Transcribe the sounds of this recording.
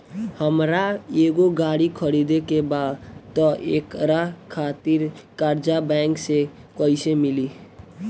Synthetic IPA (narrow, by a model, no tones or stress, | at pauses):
həmɾaeɡoɡaɽikʰəɽid̪ekebad̪t̪ɔʔekɾakʰat̪iɾkaɾd͡ʒabɛŋksekəɪsemili